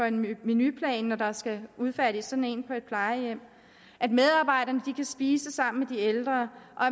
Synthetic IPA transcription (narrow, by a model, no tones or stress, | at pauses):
ɒ̽e̝nminypʰlɛ̰ːnːɒd̥ɑ̈sɡ̥æuð̞ˠfæɾ̥isːɒ̽d̥n̩e̝̰ːnpʰɒ̽e̝d̥̚pʰlɑ̈ɪəjem̰ | ʔæd̥með̞ˠɑ̈b̥ɑ̈ɪ̰ɾ̥ɐnəd̥ikʰæsb̥iːsəsɑ̈m̰n̩med̥ield̥ʁɐʔɒ̽æ